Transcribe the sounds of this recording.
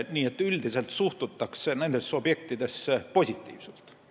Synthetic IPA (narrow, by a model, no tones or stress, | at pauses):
niːe̞t̪ːˑyld̪ise̞lt̪suht̪ut̪ːˑɑksene̞nd̪̥e̞sːobje̞kt̪id̪e̞spo̞sʲit̪ˑːḭːv̥sult̪